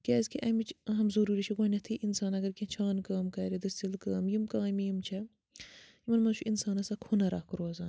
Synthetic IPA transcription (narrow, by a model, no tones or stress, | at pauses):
kʲeːzkʰiʔɐmit͡ʃɦɐmzɐɾuːɾit͡ʃʰɐɡʷaːnʲɐt̪ʰiʔinsaːnɐɡɐɾkʲit͡ʃʰaːnkaːmkɐːɾid̪ɐst̪ilkaːmjimkaːmijimt͡ʃʰɐ | jimɐnmɐt͡ʃʰuʔinsaːnɐsɐkʰunɐɾaːkɾoːzaːn